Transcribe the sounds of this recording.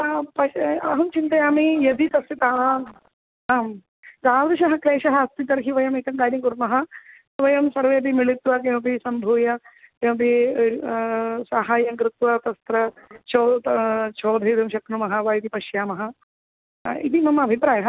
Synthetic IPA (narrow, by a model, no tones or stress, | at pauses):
pɐɐːɦɐmt͡ʃint̪ɐjaːmijɐd̪it̪ɐsit̪aːm | aːm | d̪aːʋd̪ɐʃɐɦɐkleːʃɐɦɐst̪it̪ɐɾɦiʋɐjɐmek̪ɐŋkaːɾjɐŋkuɾmɐɦɐsʋɐjɐmsɐɾʋeːd̪imiɭit̪ʋɐk̬emɐpisɐmbʱuːjɐkempi | saːɦaːjɐŋkɾɪt̪ʋɐt̪ɐst̪ɾɐt͡ʃoːt͡ʃʰoːd̪ʱɐjɐd̪ɐmʃɐknumɐɦɐʋaːjt̪ipɐʃjaːmɐɦɐ̆ | ḭd̪imɐmɐɐbʱipɾaːjɐɦɐ